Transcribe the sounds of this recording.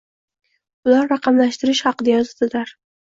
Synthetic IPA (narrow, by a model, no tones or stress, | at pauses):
ʊlaɾːɑqɑmlaʃt̪ɪɾɪʃhɑqɨd̪ajɒzad̪ɪd̪aɾ